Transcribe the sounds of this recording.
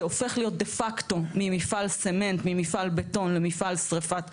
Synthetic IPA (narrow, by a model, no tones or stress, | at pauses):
ofe̞χlijo̞t̪̚d̪efakt̪o̞mimifalseme̞nt̪mimifalbet̪o̞nlemifalsʁefat̪